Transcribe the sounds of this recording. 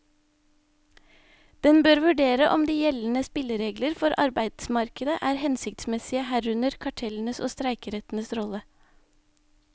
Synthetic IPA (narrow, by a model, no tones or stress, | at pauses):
d̪̥ɛnbøːɾʋʉɖeːɾəʔɔmd̪iːjɛln̩əspɪləɾeːɡləɾfɔɾʔɑ̰ɾbæɪd̪̥smɑɾkəd̪əʔæːɾhɛnsɪkt̪smɛsɪəhæːɾʉnəɾkʰɑʈʰɛln̩əso̰ːst̪ɾæɪkəɾɛt̪n̩əsɾɔlə